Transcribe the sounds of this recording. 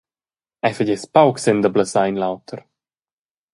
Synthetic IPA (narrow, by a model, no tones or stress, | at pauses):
ajfəɟɛspawksɛnd̪əbləsajnlawt̪ʰəɾ